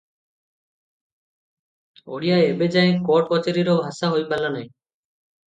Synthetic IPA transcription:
o̰ɽijaːebed͡ʒaẽkɔːʈ̚kɔt͡ʃeɾiɾoːbʱasaɦojbalaːnaĩ

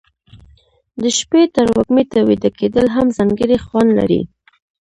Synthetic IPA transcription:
d̪əʃpet̪əɾwaɡmet̪awid̪akʰed̪əlɦamzaŋɡəɾixwanla̰ɾḭ

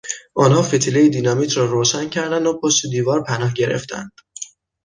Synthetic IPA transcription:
ʔɒːnɦɒːfet̪ʰilejed̪inɒːmiːt̪ʰɾɒːɾoːʃæncʰæɾd̪ænd̪opʰost̪ed̪iːvɒːɾpʰænɒːhɟe̞ɾḛft̪ʰæ̰nd̪̥

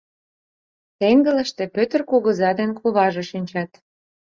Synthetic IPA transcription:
t̪eŋɡə̆lə̆ʃt̪ĕpøt̪ərkuɣə̆zɑd̪enkuβɑʒeʃinʲt͡ɕɑt̪

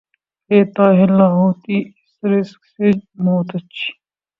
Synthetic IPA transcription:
keːt̪aːɦɪlaːɦoːt̪iɪsɾɪsksed͡ʒmoːt̪ɐt͡ʃʰi̥

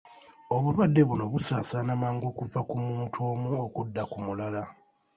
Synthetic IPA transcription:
o̞βulwadːe̞βuno̞βusaːsanamaːŋɡo̞ːkuvakumuːntʰo̞ːmuokudːakumulala

